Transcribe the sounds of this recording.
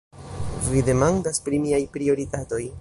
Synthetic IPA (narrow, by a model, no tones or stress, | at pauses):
vide̞maŋdaspɾimiajpɾio̞ɾitato̞j